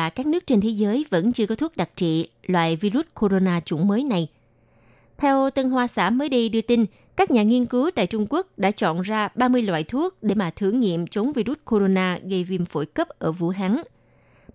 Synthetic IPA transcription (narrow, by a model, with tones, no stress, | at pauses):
kaː˦˥k̚nɨ˦˥ək̚t͡ɕe˧nt̪ʰe˨˦zəː˨˦jvə̰˧˥nt͡ɕɨ˧əkɔ˨˦t̪ʰu˦˥k̚ɗa˨˩k̚t͡ɕḭ˧˨ | lwa̰ː˧˨jvi˧zu˦˥t̚kʰo˧zo˧naː˧t͡ɕʊ̰˧˩ŋ͡mməː˨˦jna˨˩j | t̪ʰɛ˧wt̪ə˧nɦwaː˧sa̰ː˧˩məː˨˦jɗi˧ɗɨ˧ət̪i˧n | kaː˦˥k̚ɲaː˨˩ŋi˧ənkɨ˨˦wt̪a̰ː˧˨jt͡ɕʊ˧ŋ͡mku˦˥ək̚ɗa̰ː˧˥t͡ɕɔ̰˧˨nzaː˧ɓaː˧mɨ˧əjlwa̰ː˧˨jt̪ʰu˦˥ək̚ɗe˧˩maː˨˩t̪ʰɨ˧˩ŋŋḭ˧˨əmt͡ɕə˨˦nvi˧ɾu˦˥t̚kʰo˧zo˧naː˧ɣə˧jvi˧˩mfo̰˧˩jkə˦˥p̚ʔəː˧˩vṵ˧˩ɦaː˨˦ŋ